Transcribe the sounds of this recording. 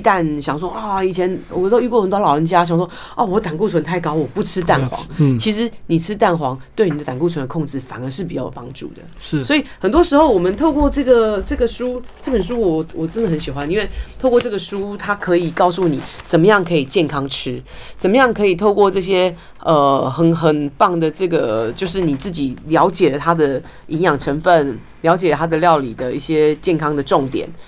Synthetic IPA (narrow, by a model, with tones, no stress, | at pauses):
t̪a˥˩nɕjɑ˨˩ŋs̬wɔ˥ʔɔ˥˩i˨˩t͡ɕʰjɛ˧˥nwɔ˨˩t̪ʊy˥˧kwɔ˥˩xə˨˩nt̪wlɑ˨˩ʊə˧˥nt͡ɕja˥ɕ̬ɑ˨˩ŋswɔ˥ | ɔ˥˩wɔ˧˦t̪a˨˩nku˥˩t͡sʰwə˧˦nt̪ʰa˥˩ɪkɑ˥ʊwɔ˨˩pu˥˩ʈ͡ʂʰɻ̩˥t̪̬a˥˩nxwɑ̰˧˥ŋt͡ɕʰi˧˥ʂ̬ɻ̩˧˥ni˨˩ʈ͡ʂʰɻ̩˥t̪a˥˩nxwɑ˧˦˥ŋt̪we˥˩ɪni˨d̪ə˦t̪a˨˩nku˥˩t͡sʰwə˧˦nə˧kʰo˥˧ŋʈ͡ʂɻ̩˥˩fa˨˩nə˧˥ʂɻ̩˥˩pi˨˩t͡ɕjɑ˥˩pɑ˥ŋʈ͡ʂṵ˥˩d̪ə̰˩ʂsɔ˧˥i˨˩hə˨˩nt̪wɔ˥ʂɻ̩˧˥xo˥˩ʊwɔ˨˩mə˦nt̪ʰo˥˧ʊkwɔ˥˧ʈ͡ʂɤ˥˩ɡə˨ʈ͡ʂɤ˥˩ɡə˩ʂu˥ʈ͡ʂɤ˥˩pə˨˩nʂ̬u˥wɔ˨˩wɔ˨˩ʈ͡ʂə˦nd̪ə˨hə˧˦nɕi˨˩xwa˦ni˥nwe˥˧ɪt̪ʰo˥˧ʊkwɔ˥˧ʈ͡ʂɤ˥˩ɡə˩ʂu˥t̪ʰa˥kʰɤ˧˥i˨˩kɑ˥˧ʊs̬u˥˩ni˨˩t͡sə˨˩nmə˦jɑ˥˩ŋkʰɤ˧˥i˨˩t͡ɕjɛ˥˩nkʰɑ˥ŋʈ͡ʂʰɻ̩˥t͡sə˨˩nmə˦jɑ˥˩ŋkʰɤ˧˥i˨˩t̪ʰo˥˧ʊkwɔ˥˧ʈ͡ʂɤ˥˩ɕ̬jɛ˥ | ʔə˧xə˧˩nxə˨˩npɑ˥˩ŋd̪ə˩ʈ͡ʂɤ˥˩ɡə˩t͡ɕjo˥˧ʊʂ̬ɻ̩˥˩ni˨˩t͡sɹ̩˥˩t͡ɕi˨˩ljɑ˧˥ʊt͡ɕjɛ˨˩lə˦t̪ʰa˥d̪ə˨ | i˧˥ŋjɑ˨˩ŋʈ͡ʂʰə˧˥nfə˥˩n | ljɑ˧˥ʊt͡ɕjɛ˨˩lə˦t̪ʰa˥d̪ə˨ljɑ˥˩ʊli˨˩d̪ə˦i˥˩ɕjɛ˥t͡ɕjɛ˥˩nkʰɑ˥ŋd̪ə˨ʈ͡ʂʊ˥˩ŋt̪jɛ̰˨˩˦n